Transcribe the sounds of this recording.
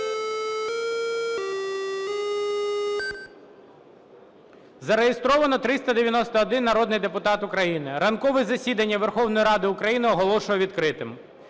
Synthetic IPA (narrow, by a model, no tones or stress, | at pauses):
zɐɾejest̪ɾɔʋɐnɔt̪ɾɪst̪ɐd̪eʋʲjɐnɔst̪ɐːd̪ɪnːɐɾɔd̪nɪjd̪epʊt̪ɑt̪ʊkɾɐjinɪɾɐnkɔʋɛzɐsʲid̪ɐnʲːɐʋerxɔwnɔjiɾɑd̪ɪʊkɾɐjinɪɔɦɔlˠɔʃʊjɛʋʲid̪kɾɪt̪ɪm